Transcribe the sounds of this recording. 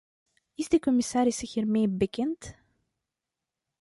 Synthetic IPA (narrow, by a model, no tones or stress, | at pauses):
ɪsdəkɔmɪsaːɾɪsxiːrmeːbəkɛnt